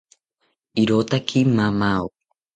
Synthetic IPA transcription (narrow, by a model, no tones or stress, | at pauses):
iɾoːt̪akʰimamao